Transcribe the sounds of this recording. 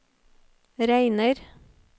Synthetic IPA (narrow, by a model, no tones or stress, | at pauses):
ɾæɪnəɾ